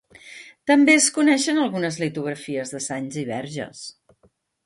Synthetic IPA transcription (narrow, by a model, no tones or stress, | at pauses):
t̪əmbeəskunɛʃənəlˠɣunəzlit̪uɣ̞ɾəfiəzðəsaɲziβ̞ɛɾʒə̰s